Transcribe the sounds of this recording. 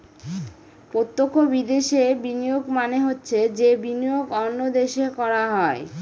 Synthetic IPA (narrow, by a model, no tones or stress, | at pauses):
pot̪ːokːobid̪eʃebinioɡmaneɦotːɕʰed͡ʑebinioɡɔnːod̪eʃekɔɾaɦɔe